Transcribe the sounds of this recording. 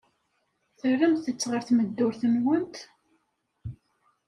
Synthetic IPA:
θərːəmθət͡sːʁəɾθməd̪ːʊɾθənwənt̪

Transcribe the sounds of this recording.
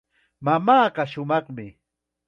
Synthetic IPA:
mamaːɢɑʃʊmɑχmɪ

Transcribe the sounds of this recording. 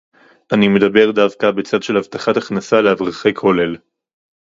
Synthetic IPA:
ʔanime̞d̪abe̞ʁdavkabe̞t͡sadʃelhavt̪aχataχnasaleavʁaχejkʰo̞le̞l

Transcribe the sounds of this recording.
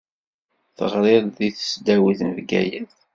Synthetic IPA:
θəʁɾɪððiθə̥sd̪æwiθnəvɡæ̰jæð

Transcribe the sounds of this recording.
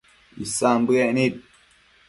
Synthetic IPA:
ḭsambɛʔnit̚

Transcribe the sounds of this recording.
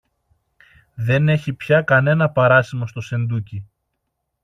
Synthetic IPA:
ðe̞ne̞çipçɐkɐne̞nɐpɐɾɐsimo̞st̪o̞se̞nd̪uci

